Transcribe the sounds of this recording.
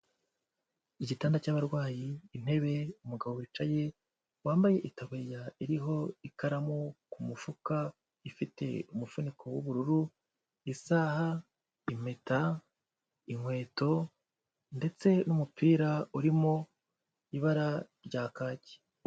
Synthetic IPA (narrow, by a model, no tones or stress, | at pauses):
iɟitaːndacaβaɾɡwaːjiːn̥e̞βe̞umuɡaβo̞wit͡ʃaje̞ | waːmbaje̞ʔitaβuɾjaiɾiɦo̞ikaɾamokumufuka | ifite̞̰umufunikʰo̞wuβuɾuɾu | isaːha | ime̞ta | iŋwe̞ːto̞ | nde̞t͡se̞numupiːɾauɾimo̞ | iβaɾaɾɟaːkaːce̥